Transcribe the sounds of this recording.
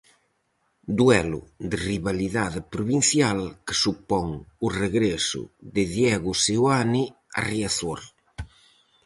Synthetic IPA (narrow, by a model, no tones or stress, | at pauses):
d̪wɛlʊ̰d̪eriβaliðaðepɾuβin̟θjalkɪ̥supɔŋʊreɣɾesʊ̰ðeðjɛɣʊsewani | a̰rjaθoɾ